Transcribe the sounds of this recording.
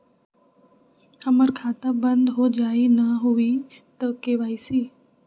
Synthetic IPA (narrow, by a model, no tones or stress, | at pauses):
həməɾkʰaːt̪abə̃nd̪ɦod͡ʒaːinɐɦui | t̪əkeːʋaːisiː